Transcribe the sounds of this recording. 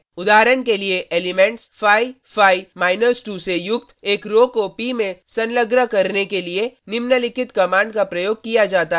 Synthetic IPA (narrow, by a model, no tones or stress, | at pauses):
ʊd̪aːɦɾənkelieʔeːlɪmɛ̃ːɳʈsfʰaːi | fʰaːimaːɪnəɾsʈuːsejʊkt̪eːkɾoːkopimẽsɐnləɡɾəkɐɾnekelienɪmnəlɪkʰɪt̪kɐmãːɳɖkapɾɐjoːɡ̚kijad͡ʒaːt̪aɦ